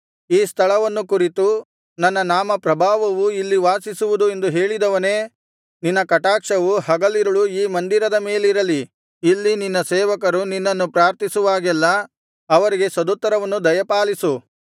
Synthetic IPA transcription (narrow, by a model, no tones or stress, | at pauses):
iːst̪ʰɐɭɐʋɐnːukuɾit̪u | nɐnːɐnaːmɐpɾɐbʱaːʋɐʋuilːiʋaːsisuʋud̪ue̞nd̪uɦe̞ːɭid̪ɐʋɐne̞ː | ninːɐkɐʈaːkʂɐʋuhɐɡɐliɾuɭuiːmɐnd̪iɾɐd̪ɐme̞ːliɾɐliː | lːininːɐsɛːʋɐkɐɾuninːɐnːupɾaːɾt̪isuʋaːɡɛlːɐː | ʋɐɾiɡe̞sɐd̪ut̪ːɐɾɐʋɐnːud̪ɐjɐpaːlisu